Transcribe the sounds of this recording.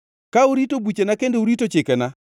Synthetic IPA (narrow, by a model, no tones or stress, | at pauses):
kauɾitobut͡ʃenakendeuɾitot͡ʃɪkɛna